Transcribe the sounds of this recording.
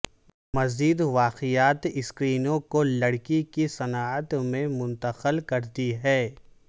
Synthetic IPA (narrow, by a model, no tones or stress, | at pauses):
mɐziːd̪ʋaːqɪjaːt̪ɪskɾiːnõkolɐɽkikisɐnaːət̪mẽmʊ̃nt̪əxəlkɐɾt̪iɦɛː